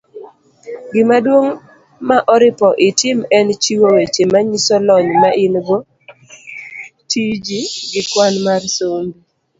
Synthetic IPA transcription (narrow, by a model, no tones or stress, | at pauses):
ɡɪmadwoŋ | maʔɔɾɪpɔʔɪtɪmɛnt͡ʃiwowet͡ʃemaɲisɔlɔɲmaʔɪnɡo | tʰid͡ʒiɡɪkwanmarsombi